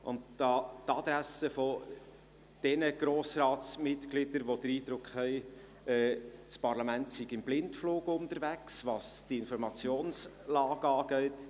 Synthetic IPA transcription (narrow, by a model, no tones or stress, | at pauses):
ʔʊ̰ntɑːtɑd̪ɾæsəfɔ | d̥ɛnəɡ̥ɾoːsɾɑːtt͡smɪtklɪd̥̪əɾʋod̥̪əɾiːd̥̪ɾʊkχɦɛɪ | ɛːt͡spɑɾlɑmæntsiɡɪmblɪntfluːɡʊntəɾʋæksvɑsd̥iɪnfɔɾmɑt͡sjoːnslɑːɡəɑːɡ̥ɛɪt